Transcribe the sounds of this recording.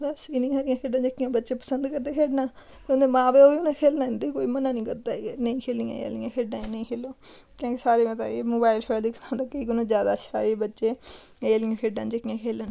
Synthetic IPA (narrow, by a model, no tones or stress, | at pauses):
d̪asinĩːaːɾɪjãːkʰeːɖãːd͡ʒəkːijãːbətːʃeːpə̥sənd̪kəɾd̪eːkʰeːɖnãː | t̪eond̪eːmãːbeːoːʋiːʊnãːkʰeːlnãːɪ̃nd̪eːkoːiːmənãːnĩːkəɾt̪aːeːnəĩːkʰeːlijã̰ːḛə̰lɪjãːkʰeːɖãːeːnəĩːkʰeːloː | kõːkisaːɾeːmət̪a̰ːemoːbaːɪlfʰɛːld̪ɪkʰnãːd̪əkːəiknãːzjaːd̪aːʃʰaːeːbətːʃeː | eːəlɪjãːkʰeːɖãːnd͡ʒəkːijãːkʰeːlən